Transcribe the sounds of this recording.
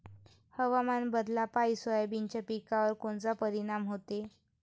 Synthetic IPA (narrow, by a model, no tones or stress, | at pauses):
həʋamanbəd̪lapaisəabint͡ɕapikaʋəɾkoɳt͡sapəɾiɽ̃amɦot̪e